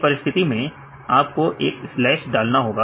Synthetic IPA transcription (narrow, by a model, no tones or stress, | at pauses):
pɐɾɪst̪ʰɪt̪imẽ | aːpkoʔeːkslɛːʃɖaːlnaɦoːɡaː